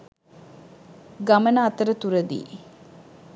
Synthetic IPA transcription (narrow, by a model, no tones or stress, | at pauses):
ɡamənaːt̪əɾət̪uɾəd̪ḭː